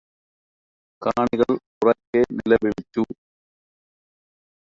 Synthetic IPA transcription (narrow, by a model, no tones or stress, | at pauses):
kaːɳiɣɐɭ | ʊrɐkːenɪlɐʋiɻit̪ːu